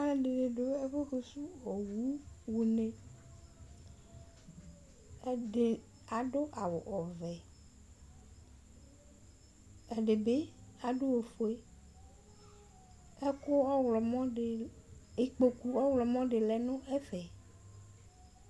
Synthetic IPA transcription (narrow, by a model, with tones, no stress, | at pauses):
a˦e˨ɖe˨ne˨ɖo˦e˦ɸo˦ɸe˨su˦ɔ˨wu˦wu˨nẽ˨˦ | ɖe˨ | a˨ɖo˦ʔa˨wo˨ʔɔ˨vɛ˨ | ɛ˨ɖe˨be˦a˨ɖo˦wo˨fo˨e˦ | e˦ko˦ɔ˦wlɔ˨mɔ̃˦ɖe˨e˨k͡po˨ku˨ɔ˦wlɔ˨mɔ̃˦ɖe˨lɛ˨nõ˦ʔe˦fɛ˨